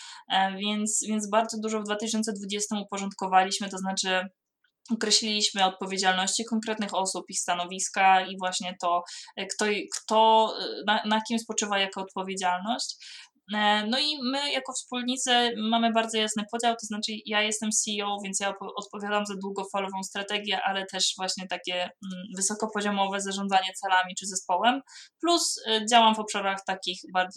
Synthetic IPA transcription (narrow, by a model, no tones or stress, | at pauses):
vʲjɛnt̪svʲjɛnzbaɾd̪zɔd̪uʐɔvd̪vat̪ɘɕɔnt̪ɛd̪vud͡ʑɛst̪ɘmupɔʐɔnt̪kɔvalʲiɕmɘt̪ɔznat͡ʂɘ | ɔkɾɛɕlʲilʲiɕmɘɔt̪̚pɔvʲjed͡ʑalnɔɕt͡ɕikɔŋkɾɛt̪nɘxɔsupist̪anɔvʲiskaivwaɕɲɛt̪ɔkt̪ɔjkt̪ɔnanakʲimspɔt͡ʂɘvajakɔːt̪pɔvʲjed͡ʑalnɔɕt͡ɕ | nɔimɘjakɔfspulɲit̪sɛmamɘbaɾd̪zɔjasnɘpɔd͡ʑawt̪ɔznat͡ʂɘjajɛst̪ɛmsʲiɔwvʲjɛnt̪sjapɔɔt̪̚pɔvʲjad̪amzad̪wuɡɔfalɔvɔ̃w̃st̪ɾat̪ɛɡʲjɛʔalɛt̪ɛʂvwaɕɲɛt̪akʲɛvɘsɔkɔpɔʑɔmɔvɛzaʐɔnd̪zaɲɛt̪sɛlamʲit͡ʂɘzɛspɔwɛmplusd͡ʑawamvɔpʂaɾaxt̪akʲixbaɾd̪z